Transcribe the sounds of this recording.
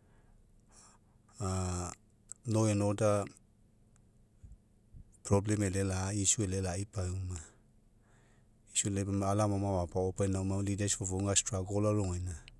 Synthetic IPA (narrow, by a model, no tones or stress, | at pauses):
a | noenoda | pɾoblemelelaisuelelaipajuma | isuelebamalamamawapaopajnawmawlidesfovoŋastɾaɡolaɾoŋena